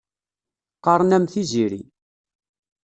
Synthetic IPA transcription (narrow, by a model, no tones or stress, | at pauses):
qːɑɾˤnæmθiziɾḭ